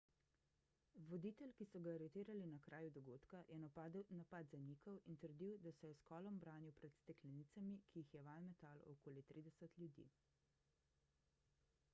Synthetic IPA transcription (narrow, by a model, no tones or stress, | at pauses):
ʋɔd̪iːt̪ɛlkisɔɡaːɾɛt̪iːɾalinakɾʔaːjud̪ɔɡoːt̪kajʔɛnnapad̪zaniːkɔwint̪əɾd̪iwd̪asɛjɛskɔːlɔmbɾaːniwpɾɛt̪st̪ɛklɛniːt̪samikʰiːxjɛʋalmɛt̪alɔkoːlit̪ɾiːd̪ɛsət̪lʲjud̪ḭː